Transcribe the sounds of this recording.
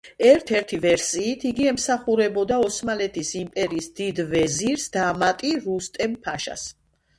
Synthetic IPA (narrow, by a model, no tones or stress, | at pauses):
ɛɾt̪ʰɛɾt̪ʰivɛɾsiːt̪ʰiɡiɛmsaχuɾɛbɔd̪aɔsmalɛt̪ʰisimpʼɛɾiːsd̪id̪vɛziɾsd̪̥amat̪ʼiɾust̪ʼɛmpʰaʃa̰s